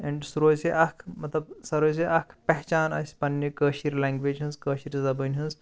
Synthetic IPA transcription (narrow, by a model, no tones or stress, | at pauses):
ɛ̃ɳɖsuɾoːseʔɐkʰmɐt̪lɐbsɐɾoːs̬iʔɐkʰpɛɦt͡ʃaːnɐ̰sʲpɐnːjikəːʃiɾʲlɛ̃ːŋɡʋeːd͡ʒɦɨ̃nzkəːʃiɾzɐbənʲɦɨ̃nz